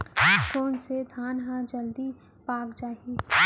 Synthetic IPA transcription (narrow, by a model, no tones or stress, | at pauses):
koːnsed̪ʱaːnɦãd͡ʒɐld̪i | paːkd͡ʒaːɦi